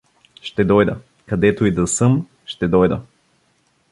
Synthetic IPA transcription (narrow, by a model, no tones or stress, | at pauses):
ʃt̪ɛd̪ɔjd̪ɐ | kɐd̪ɛt̪oid̪ɐsɤm | ʃt̪ɛd̪ɔjd̪ɐ̰